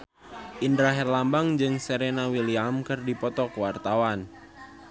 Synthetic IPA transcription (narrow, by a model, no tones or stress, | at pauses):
ʔindɾaɦɛrlambaŋd͡ʒɨŋseɾenawiliamkɨrdipɔt̪ɔkəwart̪awan